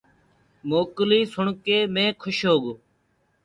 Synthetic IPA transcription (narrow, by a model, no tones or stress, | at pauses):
moːkliːsʊɳkeːmẽːkʰʊʃɦoːɡ